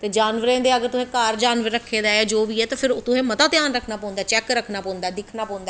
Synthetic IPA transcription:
t̪eːd͡ʒaːnʋəɾẽːd̪eːəɡəɾt̪ʊsẽːkaːɾd͡ʒaːnʋəɾːəkʰːeːd̪aːɛːd͡ʒoːʋiːɛːt̪ãːpʰɪɾt̪ʊsẽːmət̪aːt̪jaːnɾəkʰnaːpɔ̃ːnd̪aːt͡ʃɛːkɾəkʰnaːpɔ̃ːʊ̃nd̪aːd̪ɪkʰnaːpɔ̃ːnd̪aː

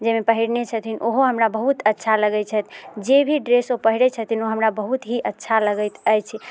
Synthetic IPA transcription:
d͡ʒemepəɦiɽnet͡ʃʰət̪ʰinʔoɦoɦəmɾabəɦut̪ətːʃʰaləɡɛt͡ʃʰət̪ʰd͡ʒebʱiɖɾesopəɦiɽɛt͡ʃʰət̪ʰinoɦəmɾabəɦut̪ɦiʔətːʃʰaləɡəjt̪əjt͡ʃʰi

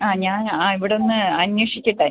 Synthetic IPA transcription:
aːɲaːnaːiʋiɽeo̞nːɨɐnjwɐʂikʲːiʈːa

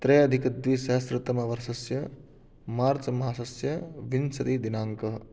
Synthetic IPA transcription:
t̪ɾejɐd̪ʱikɐd̪ʋisɐɦɐsɾɪt̪ɐmɐʋɐɾsɐsjɐ | maːɾt͡ʃɐmɐɦaːsɐsjɐʋinsɐt̪iːd̪inaːŋkɐ

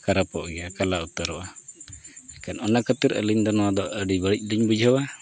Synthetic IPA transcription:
kaɾapɔʔɡɛjakalaut̪əɾɔʔa | ɛkanɔnakət̪iɾə̰liɲd̪ɔnɔwad̪ɔʔəɖibəɽic̚ˀliɲbud͡ʒʱɦəwa

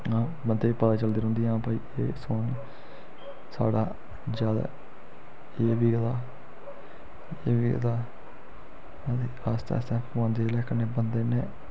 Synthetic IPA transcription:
ãː | bənd̪eːiːpət̪aːt͡ʃəld̪eːɾɦʊ̃nd̪iãːpaḭːeːsoːni | sa̰ːɽaː | d͡ʒjaːd̪a̰ː | eːʋiːɡət̪aː | eːʋiɡə̰t̪aː | ad̪e | aːst̪ɛ̰ːst̪ɛ̃ːpãːnd̪eːlɛːkəneːbənd̪eːneː

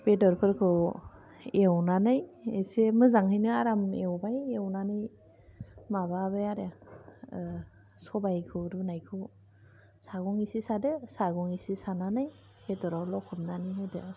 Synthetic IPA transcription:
b̥edɔɾpʰɯɾkʰɯw | ewnanɯjesemɯzaŋhɯjnɯaɾamewbajewnanɯj | maβabɯjaɾa | sɔbajkʰɯɾunajkʰɯ | saɡɔŋisisadɯsaɡɔŋisisananaj | b̥edɔɾawlɔkʰɯp̚naniɦajdɯ

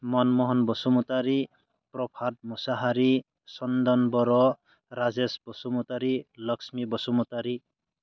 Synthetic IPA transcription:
mɔnmɔɦɔnbɔsumut̪aɾi | pɾɔpʰad̪̚musaɦaɾi | sɔnd̪ɔnbɔɾɔ | ɾad͡zesbɔsumut̪aɾilʌksmibɔsumut̪aɾi

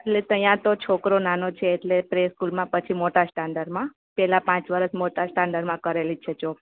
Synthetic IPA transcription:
eʈlet̪əjãt̪ot͡ʃʰokɾonanot͡ʃʰeːʈlepɾeskulmãpət͡ʃʰimoʈasʈaɳɖəɾmã | pɛlapãt͡ʃʋəɾəsmoʈasʈaɳɖəɾmãkəɾelit͡ʃʰet͡ʃo

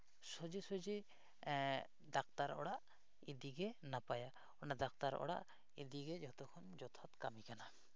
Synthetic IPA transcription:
sɔd͡ʒisɔd͡ʒi | d̪akt̪aɾɔ̰ɽaʔ | id̪iɡɛnapaja | ɔnad̪akt̪aɾɔ̰ɽa̰ʔ | id̪iɡɛd͡ʒɔt̪ɔkʰɔnd͡ʒɔt̪ʰɔt̪kamikana

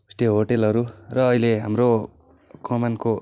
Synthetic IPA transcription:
sʈeɦoʈelʌɾurʌːileɦamro | kʌmʌnko

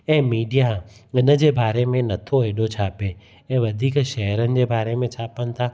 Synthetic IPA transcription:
ɛ̃ːmiːɖija | ɪnə̆d͡ʑeːbaːɾemẽnɐt̪ʰoɦeːɗot͡ɕʰaːpe | ɛ̃ːʋɐd̪ʱiːkʃɐɦəɾənɪ̆d͡ʑeːbaːɾemẽt͡ɕʰaːpəñɪ̆t̪ʰaː

